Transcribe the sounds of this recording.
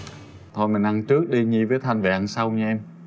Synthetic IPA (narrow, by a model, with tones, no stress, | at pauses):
t̪ʰo˧˩jmi˨˩ŋ̟ʔa˧˩ŋt͡ɕɨ˦˥ək̚ɗi˧ɲi˧˨vəː˨˦jt̪ʰa˧jŋ̟va̰ː˧˨ŋsa˧wɲa˧ʔɛ˧m